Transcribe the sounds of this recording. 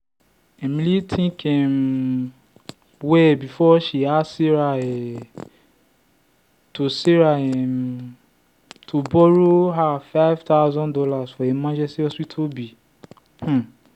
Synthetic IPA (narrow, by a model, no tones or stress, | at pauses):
emilitʰĩkʰɛ̃n | wɛbifɔʃiasiɾaɛ | tosiɾaɛm | tʰobɔɾoɦafaɪvtazɔ̃ndɔlasfɔemãd͡ʒɛstiɔstɹitʰobi | h̩